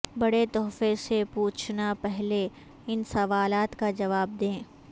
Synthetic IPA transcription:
bɐɽet̪ɔːfesepuːt͡ʃʰnapɛɦle | ɪnsɐʋaːlaːt̪kad͡ʒɐʋaːb̚d̪ẽː

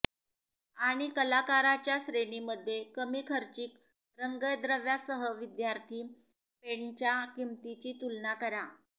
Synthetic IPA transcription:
aɽ̃ikəlakaɾat͡ɕjaɕɾeniməd̪ʱːjekəmiːkʰəɾt͡ɕiːk | ɾəŋɡəjd̪ɾəʋjasəɦəʋid̪jaɾt̪ʰiː | peɳt͡ɕjakimt̪it͡ɕiːt̪ulnakəɾa

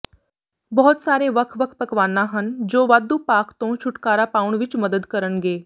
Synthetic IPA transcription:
bɔɦɔt̪saːɾeʋəkʰʋəkʰpəkʋaːnːaɦənd͡ʒoːʋaːd̪upaːkt̪õt͡ʃʰʊʈkaːɾapaːʋəɳʋɪt͡ʃməd̪əd̪kəɾənɡeː

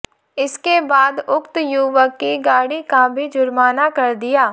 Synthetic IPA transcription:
ɪskebaːd̪ʊkt̪juːʋəkːiɡaːɽikabʱid͡ʒʊɾmaːnakɐɾd̪ɪjaː

